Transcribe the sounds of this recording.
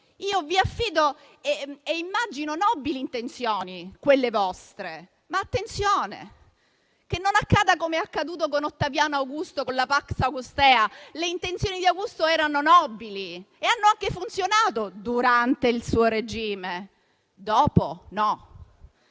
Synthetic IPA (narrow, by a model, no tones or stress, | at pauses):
iːoviafːiːd̪o | eeimːad͡ʒinonɔbiliːnt̪ent̪sjoːnikwelːevɔst̪ɾe | maːt̪ːent̪sjoːnḛ | kenːonakːaːd̪akomeakːad̪uːt̪̬okonot̪ːavjaːnoawɡust̪okonlapaksawɡust̪ɛːaleint̪ent̪sjoːnid̪iawɡust̪oɛːɾanonɔbːili | eanːoaŋkefunt̪sjonaːt̪od̪uɾant̪eilsuːoɾed͡ʒiːme | d̪ɔːponɔ